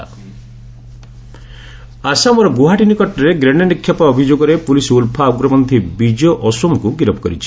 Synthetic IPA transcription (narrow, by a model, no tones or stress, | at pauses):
asamɔɾɔɡuɦaʈinikɔʈɔɾeɡɾeɽjɔnikʰːjapaɔbʱid͡ʒoɡɔɾepulisulpʰaɡɾɔmɔnd̪ʱʰibid͡ʒɔʔɔsɔmɔkuɡiɾɔpʰɔ̥kɔɾit͡ʃʰi̥